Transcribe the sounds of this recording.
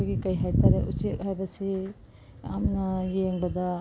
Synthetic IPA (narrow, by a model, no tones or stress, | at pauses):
ɡikɐjɦajtaɾeʔuseʔɦajbɐsi | a̰mnɐjeŋbɐdɐ